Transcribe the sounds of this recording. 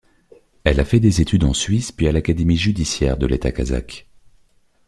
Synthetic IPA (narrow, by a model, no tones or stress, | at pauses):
ɛlafɛd̪ezet̪yd̪ɑ̃sɥispɥialakad̪emiʒyd̪isjɛʁd̪əlet̪aka̰za̰k